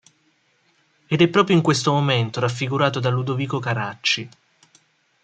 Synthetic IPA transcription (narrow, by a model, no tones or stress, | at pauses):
ed̪ɛpːɾɔːpɾjoiŋkwest̪omoment̪oɾafːiɡuɾaːt̪od̪alud̪oviːkokaɾat͡ʃːi